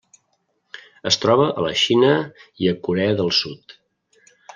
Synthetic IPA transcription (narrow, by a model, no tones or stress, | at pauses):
əst̪ɾɔβəʔələʃinəiəkuɾɛəðəlˠsut̪